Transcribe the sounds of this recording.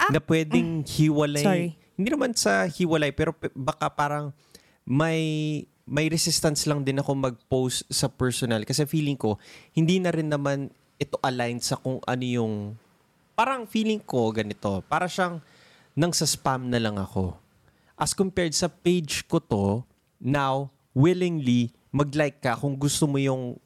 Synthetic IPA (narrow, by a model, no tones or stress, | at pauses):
nɐpwɛːd̪ɪŋhɪwɐlahɪ̃nd̪iːnɐmansɐhɪwɐlajpɛːɾo̞pbɐkapaːɾɐŋ | mɐj | mɐjɾɛsɪst̪ɐnslɐŋd̪ɪnɐko̞mɐɡ̚powst̪̚sɐpɛɹsonɐlkɐsɛfiːlɪŋko̞hɪnd̪iːnɐɾɪnːɐman | ʔɛt̪o̞ʔɐlajnsɐkʊŋʔɐ̰no̞jʊŋ | paːɾɐŋfiːlɪŋko̞ɡɐnɪt̪o̞paːɾɐʃaŋ | nɐŋsɐspamnɐlɐŋɐ̰ko̞̰ | ʔɐskʊmpɛɹd̪̚sɐpejd͡ʒkot̪o̞ | naw | wɪlɪŋli | mɐɡlajkːɐkʊŋɡʊst̪omo̞jʊŋ